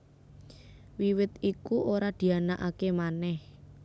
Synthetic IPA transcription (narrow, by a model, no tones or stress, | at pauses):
wiwɪt̪ikuʔoɾad̪̥i̤anaʔakemanɛh